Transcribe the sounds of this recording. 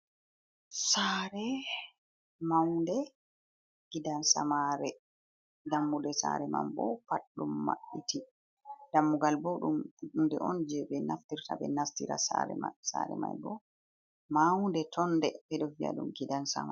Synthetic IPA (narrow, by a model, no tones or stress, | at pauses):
saɾɛ | mawndɛ | ɡ̥idansamaɾɛ | damːudɛsa̰ɾɛma̰mbɔpaɗːumːa̰ɓitʰi | d̥amːuɡalboɗumndɛʔɔnd͡ʒɛbɛnaftiɾtabɛ̰nastiɾa̰saɾɛsa̰ɾɛ̰majbɔ | mawndɛtʰɔndɛpɛdɔvia̰ɗumɡidansa̰ma